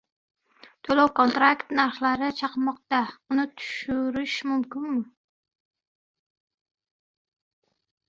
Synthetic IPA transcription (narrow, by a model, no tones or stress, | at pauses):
t̪ʰolawkont̪ɾakt̪naɾχlˠaɾɪt͡ʃʰɑqmɑq̚t̪ɑunɪt̪ʰu̥ʃuɾɪʃmumkʲɪnmʊ